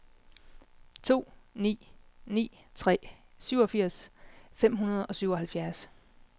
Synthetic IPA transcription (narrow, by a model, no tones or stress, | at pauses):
t͡sʰo̝̰ːnḭːnḭː | t͡sʰʁɛ̰ː | syʊ̰ɒ̽fiɐ̰sfem̰ɦunɐð̞ˠɒ̽syʊɒ̽ɦhælfjæɐs